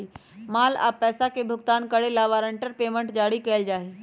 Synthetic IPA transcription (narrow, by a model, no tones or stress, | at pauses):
imaːla̰ːpɛːsakebʱʊɡt̪aːnkəɽelaːʋaːɾə̃ɳʈəɾpeːmə̃ɳʈd͡ʒaːɽikɛːɪld͡ʒaːɦiː